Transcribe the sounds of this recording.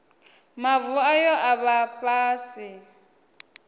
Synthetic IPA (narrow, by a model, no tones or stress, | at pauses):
mavuajɔʔaβapʼaːsi